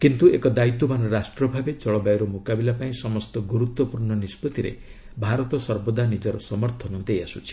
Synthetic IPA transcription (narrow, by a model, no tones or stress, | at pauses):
kint̪uekɔd̪ait̪ːɔmanɔɾasʈɾɔbʱabet͡ʃɔɭɔbajɾɔmukabilapaĩsɔmɔst̪ɔɡuɾut̪wɔpuɾɳɔnispɔt̪iɾḛ | bʱaɾɔt̪ɔsɔɾbɔd̪anid͡ʒɔɾɔsɔmɔɾt̪ʰɔnɔd̪ejasut͡ʃʰi̥